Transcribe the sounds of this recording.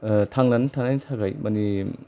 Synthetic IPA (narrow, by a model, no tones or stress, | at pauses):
tʰaŋlantʰaŋnajntʰaɡajmɐni